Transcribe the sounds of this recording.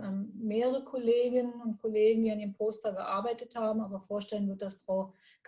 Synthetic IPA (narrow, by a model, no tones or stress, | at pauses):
ʔɛmmeːʁəʁəʁəkʰɔleːɡɪnənʊntkʰɔleːɡŋ̩diːandiːʁəmpʰoːstɐɡəʔaɐbaɪtəthaːbm̩ʔaːbɐfoːɐʃtɛlənvɪɐt̚d̥asfʁ̥aʊ | ɡ̥